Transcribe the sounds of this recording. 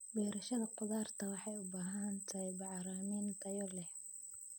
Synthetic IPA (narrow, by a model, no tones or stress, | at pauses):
bɛːɾɐʃɐðɐqʊðaːrt̪ʰɐwɑħɑjʊbaːɦɐɐnt̪ʰɐhjbɑʕɑɾaːmiːnt̪ʰɐjɔlɛh